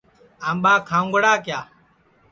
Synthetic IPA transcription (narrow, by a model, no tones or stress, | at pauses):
aːmbaːkʰãːŋɡəɽaːkjaː